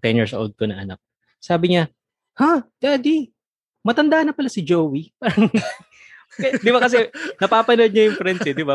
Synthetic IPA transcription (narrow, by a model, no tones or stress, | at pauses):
t̪ɛnjiɹsɐʔo̰ld̪̚konɐʔɐ̰na̰k̚ | saːbɪɲɐ | had̪̥aːd̪i | mɐt̪ɐnd̪aːnɐpɐlasɪd͡ʒowwipaːɾɐŋ | kɐd̪ɪbakɐs̬ɛnɐpaːpɐnod̪̚ɲɐjʊŋfɾɛnsɛd̪ɪba